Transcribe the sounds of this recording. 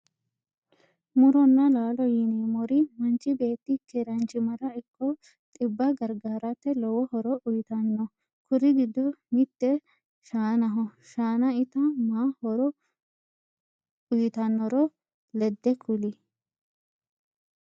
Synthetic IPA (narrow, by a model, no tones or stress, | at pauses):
mʊɾɔnːɐlaːlɔjɪneːmɔɾɪmɐnt͡ʃʼɪbe̞ːt̪ːɪkʰɛɾɐnt͡ʃɪmɐɾɐɪkːɔ | t̪ʼɪbːɐɡɐɾɡaːɾɐt̪ːɛlɔwɔhɔɾɔʔʊjɪt̪ɐnːɔ | kʊɾɪɡɪd̪ːɔmɪt̪ːɛ | ʃaːnɐɦɔʃaːnɐɪt̪ɐmaːhɔɾɔ | ʊjɪt̪ɐnːɔɾɔ | lɛd̪ːɛkʰʊli